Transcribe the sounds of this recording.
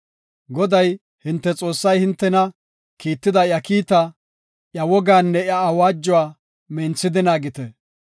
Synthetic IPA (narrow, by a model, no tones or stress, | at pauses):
ɡɔd̪ɐj | hɪnt̪ːɛt͡sʼo̞ːsːɐjhɪnt̪ːɛnɐ | kiːt̪ːɪd̪ɐjɐkiːt̪ɐ | ʔjɐwɔɡaːnːɛjɐːwaːd͡ʒːʊwaː | mɛnt͡sːɪd̪ɪnaːɡɪt̪ɛ